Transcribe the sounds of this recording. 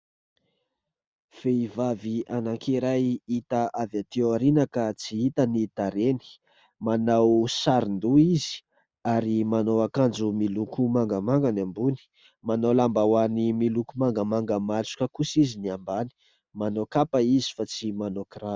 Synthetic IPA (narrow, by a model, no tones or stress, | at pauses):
feivavianaŋkʰiɾajit̪aʔavat̪ewaɾinakət͡siit̪ənit̪aɾeni̥ | manawsaɾind̪uizi̥ | aɾimanowakand͡ʒumilukumaŋɡamaŋɡanambuni̥ | manowlambawanimilukumaŋɡamaŋɡəmat͡su̥kəkusiziniambani̥ | manokapaizi̥fat͡simanokrḁ